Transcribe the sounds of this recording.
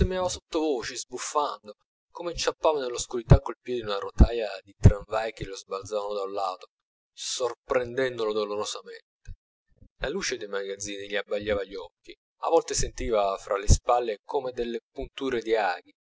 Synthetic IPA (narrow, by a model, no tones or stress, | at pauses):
semiaːvasot̪ːovoːt͡ʃizbufːand̪o | komet͡ʃːapːaːvanelːoskuɾit̪akːolpjɛːd̪iunaɾot̪aːjad̪it̪ɾaɱvajk̟elozbalt̪zaːvanod̪awlːaːt̪o | sorpɾend̪ɛnd̪olod̪oloɾozament̪e̥ | laluːt͡ʃed̪ejmaɡad̪zːiːniʎiabːaʎːaːvaʎːɔkːi | a̰vɔlt̪esent̪iːvafɾʔalespalːekomed̪elːepunt̪uːɾed̪ia̰ːɡi